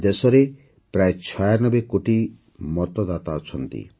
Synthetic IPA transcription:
d̪esɔɾe | pɾaet͡ʃʰɔjanɔbekoʈi | mɔt̪ɔd̪at̪aɔt͡ʃʰɔnt̪ḭ

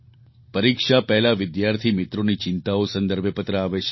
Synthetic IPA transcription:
pəɾikʂapɛɦlaʋɪd̪jaɾt̪ʰimɪt̪ɾonit͡ʃɪnt̪aosə̃nd̪əɾbjepət̪ɾəaʋet͡ʃʰ

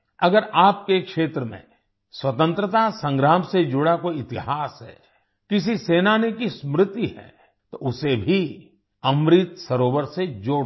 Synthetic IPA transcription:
ɐɡəɾaːp̚kekʃeːt̪ɾəmḛ̃ | swɐt̪ə̃nt̪ɾət̪asɐ̃ŋɡɾaːmsed͡ʒʊɽakoɪt̪ɪɦaːsɦɛ̰ː | kɪs̬iseːnanekismɾɪt̪iɦɛ̰ | t̪oʊsebʱi | ɐmɾɪt̪sɐɾoːʋəɾsed͡ʒoːɽ

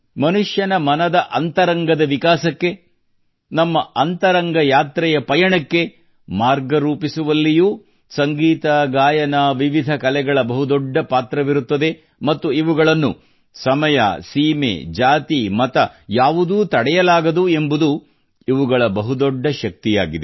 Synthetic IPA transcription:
mɐnuʂjɐnɐmɐnɐd̪ɐʔɐnt̪ɐɾɐŋɡɐd̪ɐʋikaːsɐkːe̞ | nɐmːɐʔɐnt̪ɐɾɐŋɡɐjaːt̪ɾɛjɐpɐjɐɳɐkːe̞ | maːɾɡɐɾuːpisuʋɐlːijuː | sɐŋɡiːt̪ɐɡaːjɐnɐʋiʋid̪ʱɐkɐlɛɡɐɭɐbɐɦud̪ɔɖːɐpaːt̪ɾɐʋiɾut̪ːɐd̪e̞ | mɐt̪ːuiʋuɡɐɭɐnːṵ | sɐmɐjɐ̰siːmḛd͡ʒaːt̪imɐt̪ɐjaːʋud̪uːt̪ɐɽɛjɐlaːɡɐd̪ue̞mbud̪u | iʋuɡɐɭɐbɐɦud̪ɔɖːɐʃɐk̚t̪ija̰ːɡid̪e

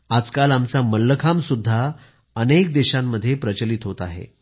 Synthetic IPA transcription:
ad͡zkalamt͡saməlːəkʰamsud̪ʱːa | ənek̚d̪eɕamːəd̪ʱːjepɾət͡ɕəlit̪ɦot̪aɦḛ

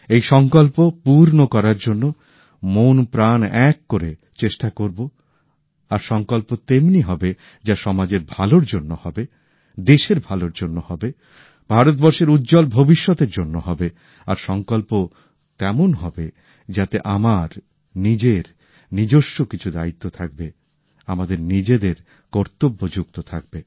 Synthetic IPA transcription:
ejʃɔŋkolpopuɾnokɔɾaɾd͡ʑonːo | monpɾanɛkːoɾe | t͡ɕeʃʈakoɾbo | aɾʃɔŋkolpot̪emniɦɔbe | d͡ʑaʃɔmad͡ʑeɾbʱaloɾd͡ʑonːohɔbe | d̪eʃeɾbʱaloɾd͡ʑonːohɔbe | b̥ʱaɾot̪̚bɔɾʃeɾut̪ːd͡ʑolbʱobiʃːɔt̪eɾd͡ʑonːoɦɔbe | aɾʃɔŋkolpo | t̪ɛmonɦɔbe | d͡ʑat̪eʔamaɾ | nid͡ʑeɾ | nid͡ʑoʃːokit͡ɕʰud̪ait̪ːot̪ʰak̚be | amad̪eɾnid͡ʑed̪eɾ | kɔɾt̪obːod͡ʑuk̚t̪ot̪ʰak̚be

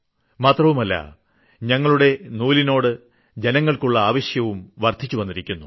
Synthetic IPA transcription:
maːt̪rɐʋumɐlːɐ̰ | ɲɐŋːɐɭuɽe̞nuːlino̞ːɽɨ | d͡ʑe̞nɐŋːɐɭkuɭːɐaːʋɐɕjɐʋumʋɐrt̪it͡ɕːuʋɐnːiɾikʲːunːu

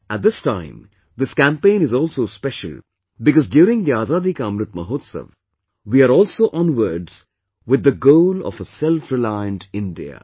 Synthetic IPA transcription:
æt̚d̪ɪstãɪ̃m | d̪ɪskæ̃mpẽɪ̃nɨzɔːlsospɛʃə̰lˠ | bɪkɔzɖjuːɾɪ̃ŋd̪iaːzaːd̪ikãmɾɨt̪məɦoːt̪sə̰ʋ | wiaɾɔːlsoːʔɔ̃nwəɾɖz̥ | wɪd̪ːəɡoʊlɔ̰fəsɛlfɾɪlaɪə̃nʈɪ̃nɖḭə̰

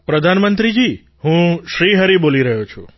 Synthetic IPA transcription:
pɾəd̪ʱanmənt̪ɾid͡ʒi | ɦũʃɾiɦəɾiboliɾəɦũt͡ʃʰṵ̃

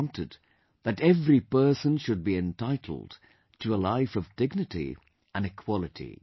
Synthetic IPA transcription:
ntɨd̪̚ | ðɨɾɛvɹipɜ˞sə̃nʃɨd̚biɨ̃ntʰaɪɾʰl̩ˠd̥ | tʰɨəlaɪfʌvdɪɡ̚nɨtḭ | ə̃nɨkʰw̥ɑlˠɨɾʰḭ

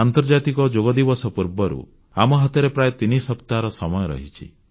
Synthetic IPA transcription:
ant̪ɔɾd͡ʒat̪ikɔd͡ʒoɡɔd̪ibɔsɔpuɾbɔɾṵ | amɔɦɔt̪ɔɾepɾaet̪inisɔpt̪aɾɔsɔmɔjɔɾɔ̰ɦit͡ʃʰḭ

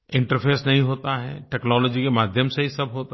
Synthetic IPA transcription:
ɪ̃ɳʈəɾpʰeːsnɐɦĩɦoːt̪aɦɛ̰ʈɛːknɔːlɔːd͡ʒikemaːd̪ʱjəmseɦisɐbɦoːt̪a

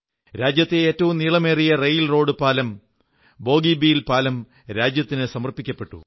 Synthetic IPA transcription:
ɾaːd͡ʑjɐt̪ːeeːtːɐʋumniːɭɐme̞ːrijɐrejilro̞ːɽɨpaːlɐm | bo̞ːɡiːbijilpaːlɐm | ɾaːd͡ʑjɐt̪ːinɨsɐmɐrpikʲːɐpːe̞ʈːṵ

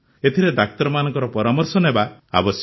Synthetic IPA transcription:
et̪ʰiɾed̪ak̚t̪ɔɾɔmanɔ̃ŋkɔɾɔpɔɾamɔɾsɔnɦebaa̰bɔs

